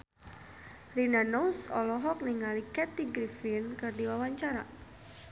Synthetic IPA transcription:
rinanowsɔ̰lɔɦɔk̚niŋalikɛt̪iɡɾifɪnkɨrdiwawaɲt͡ʃaɾa̰

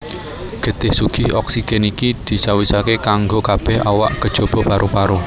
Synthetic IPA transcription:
ɡ̥ə̤t̪ɪhsuɡ̥ɪhɔksiɡ̥ɛnikid̪̥i̤sawisakekaŋɡokab̥ɛha̰wa̰ʔkəd̥ʒ̥o̤b̥ɔ̤paɾʔupaɾo

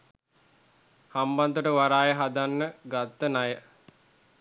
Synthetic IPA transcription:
hamband̪uʈəʋaɾaːjəɦad̪anːəɡat̪ːənajə

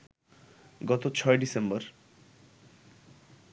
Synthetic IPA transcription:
ɡɔt̪ot͡sʰɔjɖisembʌɾ

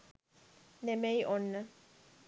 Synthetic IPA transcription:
nemejʔonːə

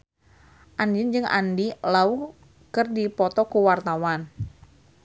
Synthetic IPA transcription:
ʔand͡ʒənd͡ʒɨŋʔa̰ndilau | kɨrdipɔt̪ɔkuwart̪awan

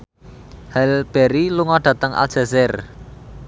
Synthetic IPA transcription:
hɛlb̥eɾiluŋɔɖ̥ä̤t̪əŋʔa̰l̥ʒ̥a̤zɛr

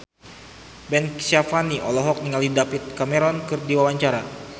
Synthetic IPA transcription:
bɛnsafaniʔɔlɔɦɔk̚niŋaldidapit̪̚kamɛɾɔnkɨrdiwawaɲt͡ʃaɾa

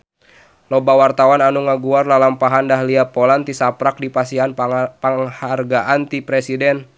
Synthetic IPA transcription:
lɔbawart̪awananuŋaɡuarlalampaɦandaɦliapɔlant̪isapɾak̚dipasianpaŋharɡaʔant̪ipɾɛsidɛn

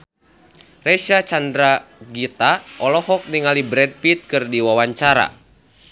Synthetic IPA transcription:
rɛʃat͡ʃandɾaɡit̪aʔɔlɔhɔk̚niŋalibɾɛd̚pit̪̚kɨrdiwawaɲt͡ʃaɾa̰

